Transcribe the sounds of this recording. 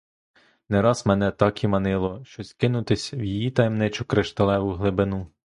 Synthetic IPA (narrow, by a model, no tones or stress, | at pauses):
nɛɾɑzmɛnɛt̪ɑkimɐnɪlˠɔʃt͡ʃɔskɪnʊt̪ɪsʲwjijit̪ɐjmnɪt͡ʃʊkɾɪʃt̪ɐlˠɛʋʊɦlˠɪbɪnu